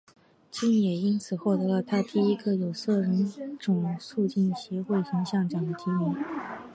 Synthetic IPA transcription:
t͡ɕi˥njɛ˨˩i˥nt͡sʰɹ̩˨˩xwɔ˥˩t̪ɤ˧˥lə˧t̪ʰa˥t̪i˥˩i˥ɡə˧jo˨˩ʊsɤ˥˩ɻʊ˧˥ŋʈ͡ʂʊ˨˩ŋsu˥˧t͡ɕi˥˩nɕjɛ˧˥xwe˥˩ɪtʰɤ˧˥ŋɕjɑ˥˩ŋʈ͡ʂjɑ˨˩ŋd̪ə˦t̪ʰi˧˥mi˧˥n

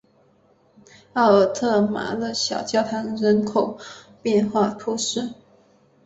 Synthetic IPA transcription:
ɑ˥˩ʊə˨˩t̪ʰɤ˥˩ma̰˧˥d̪ə˧ɕjɑ˨˩ʊt͡ɕjɑ˥˩ʊt̪ʰɑ˧˥ŋɻə˧˥nkʰo˨˩ʊ | pjɛ˥˧nxwa˥˩t̪ʰu˥ʂɻ̩˥˩

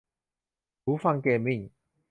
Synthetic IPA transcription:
uː˨˦fa˧ŋkeː˧mi˥˩ŋ

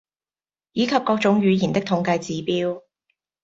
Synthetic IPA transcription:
jiː˨˧kʰɐ˨p̚kɔː˧k̚t͡sʊ˨˥ŋjyː˨˧jiː˨˩nt̪ɪ˥k̚t̪ʰʊ˨˧˥ŋkɐ˧jt͡siː˨˧piː˥w

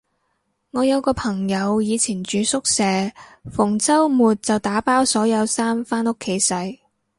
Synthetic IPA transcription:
ŋɔː˨˧jɐ˨˧wkɔː˧pʰɐ˨˩ŋjɐ˨˧wjiː˨˧t͡sʰiː˨˩nt͡ʃyː˨˧sʊ˥k̚sɛː˨fʊ˨˩ŋt͡sɐ˥wmuː˨t̚t͡sɐ˨wt̪aː˨˥paː˥wsɔː˨˥jɐ˨˧wsaː˥mfaː˥nʊ˥kʰːe˨˥jsɐ˨˧j

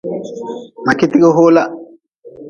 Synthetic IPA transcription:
ma˨ki˦t̪i˦ɡo˦ɦoː˦la˦

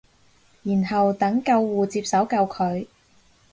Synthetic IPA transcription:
jiː˨˩nɦɐ˨wt̪ɐ˨˥ŋkɐ˧wːuː˨˧t͡siː˧p̚sɐ˨˥wkɐ˧wkʰɵ˨˧ɥ

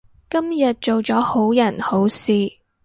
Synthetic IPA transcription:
kɐ˥mjɐ˨t̚t͡ʃo˨wt͡sɔː˨˥ho˨˥wjɐ˨˩nho˨˥wsiː˨

